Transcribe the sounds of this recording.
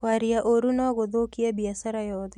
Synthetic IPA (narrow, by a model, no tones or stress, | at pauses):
waɾiaʔoɾunaɣoðokiabiasaɾajɔðɛ